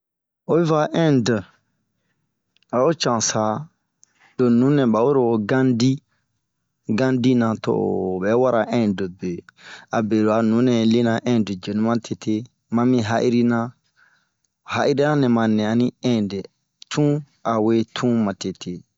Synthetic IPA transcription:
o˦bi˦va˦ʔɛ̃˦ndə˨ | a˨o˦t͡ʃã˨sa˨ | d̥o˨nũ˨˦nɛ̃˨ba˨wo˦ɾo˨o˨ɡã˦ndi˦ | ɡã˦ndi˦nã˨to̰˨bɛ˨˦wa˦ɾa˨ʔɛ̃˦do˨be˨a˨be˨lo˨a˨nũ˨˦nɛ̃˨li˦nã˨ʔɛ̃˦də˨d͡ʒe˨nũ˦mã˦tʰe˨tʰe˦ | mã˨mĩ˦ɦa˦ʔi˦ɾi˦nã˦˨ | ha˦ʔi˦ɾi˦nã˦nɛ̃˨mã˨nɛ̃˨ã˨nĩ˦ɛ̃˦de˨ | tʰũ˦ | a˨we˦tʰũ˦mã˨te˨tʰe˨

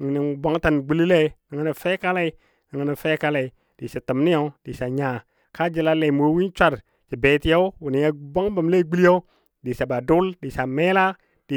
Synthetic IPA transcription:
ŋ˨ni˨ba˨˦ŋta˨nɡ͡bi˦li˦le˦ni˨ŋi˦ni˨fe˦ka˦la˨i˨˦ | ŋi˨ŋi˨ni˨fe˦ka˦la˨i˨ | d̥i˨sa˨tə˨mni˦ja˨˦d̥i˨sa˨ɲa˨ | ka˦d͡ʒi˨la˦le˨mo˨˦wi˦nt͡ʃʷa˨ɾ | t͡ʃi˨be˨ti˦ja˦u˦wu˨ni˨ja˨ba˦ŋba˨mle˦ɡ͡bi˦li˦a˦w | di˨sa˨ba˨du˦ldi˨sa˨me˦la˦ | d̥i˨

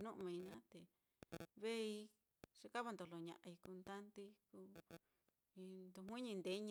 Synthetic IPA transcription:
nũ˦ʔmĩ˧nã˦t̪e˨ | βe˦i˧ | ʂe˧ka˦βa˧nd̪o˨˧lo˨ɲã̰˨ʔa˧i˧ku˧nd̪a˦nt̪i˧ku˧˦ | i˧nd̪u˧ɦĩ˦ɲĩ˧nd̪e˨˦ɲ

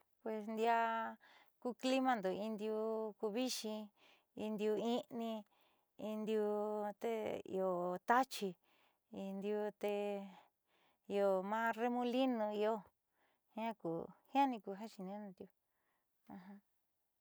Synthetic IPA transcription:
pwe˨snd̪ja˧ | ku˧kli˦mã˧nd̪o˨i˧nd̪ju˧ku˧βi˦ʃĩ˧ | i˧nd̪i˧u˧ĩ˦nĩ˧ | i˧nd̪i˧u˧t̪e˦ḭ˧o˨t̪a˦t͡ʃi˧ | i˧nd̪i˧u˧t̪e˧ | i˧o˧mãː˦re˦mũ˦li˦nũ˧i˧o˦ | hj̃ã˦kṵ˨hĩ˦ã˦nĩ˧ku˧ɦã˦ʃi˧nĩ˧˦nũ˧nd̪ju˧ | ã˧ɦã˧

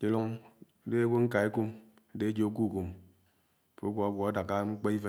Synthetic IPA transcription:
ke˨lo˦ŋ˦ | de˦e˦ɡʷo˦ŋ̩˦ka˨e˦ku˦m | e˦de˦d͡ʒo˨o˦k̬u˦˨ku˨m˦ | fo˨˦ɡʷo˦a˦ɡʷɔ˨a˦da˨ka˦ŋ͡m̩˦k͡pe˦i˦fe˦

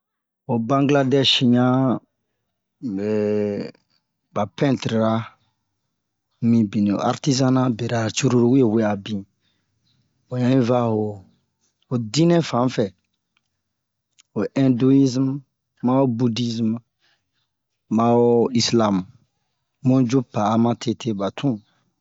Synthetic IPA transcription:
o˨bã˦ŋɡla˦dɛ˦ʃɲã˦ | ɛ˨ | ba˨pɛ̃˦ntɾɾa˦ | mĩ˨bi˨nĩ˨o̰˨a̰˨ɾti˦za˦nã˦be˨ɾa˨t͡ʃu˦ɾu˦ɾu˨˦wu˦e˦˨we˦a˨bĩ˨ | o˨ɲã˨˦ĩ˦va˦ho˨ | o˨dĩ˦nɛ̃˦fã˨˦fɛ˨ | o˨ʔɛ̃˦ndu˦i˦zm | mã˦wo˦bu˦di˦zm | mã˨˦wo˦i˦slã˦m | mũ˦d͡ʒu˦pa˨˦mã˦tʰe˦tʰe˦ba˨tʰũ˦

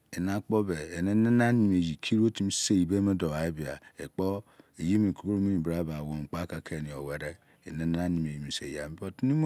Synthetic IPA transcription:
e˨na˦k͡po˦be˨e˨ne˦ne˦na˦ni˨m˨e˨ji˨kʰi˦ɾo˦ti˦m˦se˦i˨be˦me˦do˨a˨e˦bi˨a̰˨e˨k͡po˦e˨ji˦mi˨ko˦ko˦ɾo˦mi˦mi˨bɾa˦ba˨wo˨k͡pa˦ka˨kʰe˦˨ni˨o˨we˨ɾe˦ | e˨ne˦na˦a˦ni˨m˨e˨ji˨mi˨sḛ˨ja̰˨m˦bo˦ti˦i˦m˦

